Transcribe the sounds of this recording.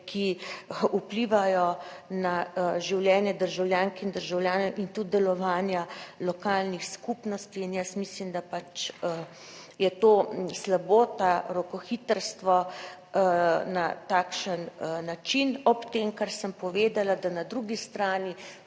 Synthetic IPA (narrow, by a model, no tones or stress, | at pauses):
kʰiupliːʋajɔnaʒiwljɛːnjɛd̪əɾʒawljaːŋkɛind̪əɾʒawljaːnɛwʔint̪ud̪̚d̪ɛlɔʋaːnjalɔkaːlnixskupnɔst̪iːnjəsmislimd̪apat͡ʃə | jɛt̪oːslaboːt̪aɾɔkɔxiːt̪əɾst̪ʋɔ | nat̪aːkʃənnat͡ʃinɔpt̪eːmkaɾsəmpɔʋeːd̪alad̪anad̪ɾuːɡist̪ɾaːni